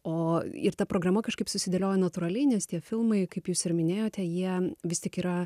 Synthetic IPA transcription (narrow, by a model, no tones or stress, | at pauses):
oːɪɾt̪ɐpɾoːɡrɐmɐkɐʃkɐɪpsʊsʲɪd̪ʲelʲoːjɛnɐt̪uːɾɐlʲɛɪnʲɛst̪ʲiɛfʲɪlˠmɐɪkɐɪpjuːsɪɾmʲɪnʲeːjoːt̪ʲɛjiɛʋʲɪstʲɪkiːɾɐ